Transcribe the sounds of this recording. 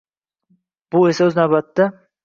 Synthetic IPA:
b̥ʊesaɵznawbat̪ːa

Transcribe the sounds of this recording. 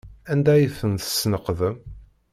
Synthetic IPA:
ænd̪æjiθənθə̥snəqðəm

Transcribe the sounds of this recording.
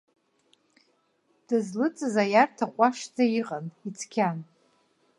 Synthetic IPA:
d̥ɨzlɨt͡sʼɨzajartʰaqʷʼaʂd͡zaiqʼanit͡sʰkʲʰan

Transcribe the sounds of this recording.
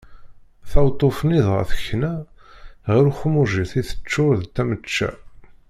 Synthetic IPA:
θæwt̪ˤːofniðʁə̰θəçːnæ | ʁəɾuxmuʒiθiθə̥t͡ʃːʊɾðt̪æmət͡ʃːæ̰

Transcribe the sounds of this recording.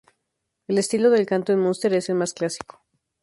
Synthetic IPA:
e̞le̞st̪ilo̞ð̞e̞lkant̪oenmõnst̪e̞ɾe̞se̞lmasklasi̥ko̥

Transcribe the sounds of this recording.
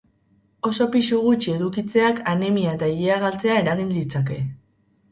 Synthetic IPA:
o̞so̞piʃuɣ̞ut͡ʃie̞ðukit͡se̞akanemiaet̪aiʎeaɣalt͡se̞ae̞ɾaɣind̪it͡sake̞

